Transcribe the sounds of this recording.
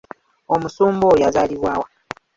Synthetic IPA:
omusuːmbojazaliβwaːwa

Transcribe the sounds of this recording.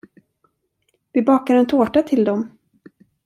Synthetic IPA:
vɪbɑːkaɾɛnt̪ʰoːʈat̪ʰɪld̪ɔm

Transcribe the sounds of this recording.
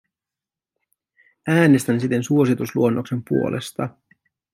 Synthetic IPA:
æːne̞st̪ænsit̪e̞nsuo̞sit̪usluo̞nːʔo̞kse̞mpṵo̞̰lʔe̞̰st̪ɑ

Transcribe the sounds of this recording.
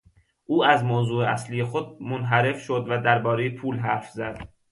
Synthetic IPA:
ʔuːæzmoːzuːeæslijexod̪̚monɦæɾe̞fʃod̪væd̪æɾbɒːɾe̞jepʰuːlɦæɾfzæd̪̥

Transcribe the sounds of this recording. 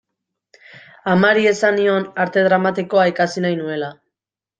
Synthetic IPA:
amaɾie̞sanio̞naɾt̪e̞ð̞ɾamat̪iko̞aikasinajnue̞la

